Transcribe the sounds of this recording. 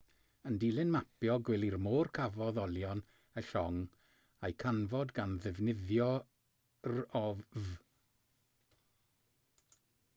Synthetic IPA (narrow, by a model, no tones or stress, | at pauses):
əndilˠɨnmapjɔɡwɛlˠirmoːrkʰavɔðɔlˠjɔn | əɬɔŋ | ajkʰanvɔdɡanðɛvnɪðjɔ | rɔv